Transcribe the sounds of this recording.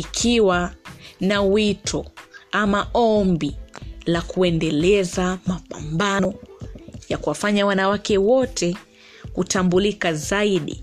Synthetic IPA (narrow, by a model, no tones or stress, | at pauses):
ikʰiwanawitʰɔamaɔmbilakuɛndɛlɛzamapambanɔ | jakuwafaɲawanawakɛwɔtʰɛ | kutambulikazaiɗḭ